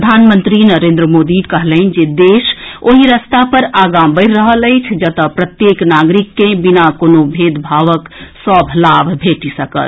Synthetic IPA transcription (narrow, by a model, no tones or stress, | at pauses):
d̪ʱanmənt̪ɾinəɾẽnd̪ɾəmod̪ikəɦləɪnd͡ʒed̪esoɦiɾəst̪apəɾaɡabəɪɾɾəɦələɪt͡ʃʰd͡ʒət̪əpɾət̪jeknaɡɾikːẽbinakonobʱed̪bʱaʋəksəbʱlabʱbʱeʈisəkə̰t̪